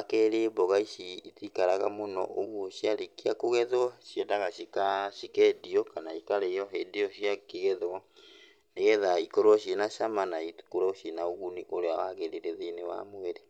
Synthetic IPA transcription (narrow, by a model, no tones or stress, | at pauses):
akɛɾebɔɣaiʃiitikaɾaɣa̰monɔ̰ʔoɣwɔʃiaɾekiakoɣɛðɔʃjɛdaɣaʃikaʃikɛdiɔkanaikaɾɛjɔɛdiɔʃiakeɣɛðɔ | neɣɛðaikɔɾwɔʃenaʃamanaikoɾaoʃenaoɣuniʔoɾeawaɣɛɾeɾeðenewa̰moeɾe